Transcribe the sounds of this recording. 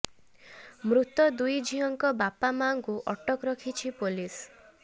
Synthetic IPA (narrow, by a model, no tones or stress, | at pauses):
mɾut̪ɔd̪ujd͡ʒʱiɦɔŋkɔbapamaŋkuʔɔʈɔkɾɔkʰit͡ʃʰipulis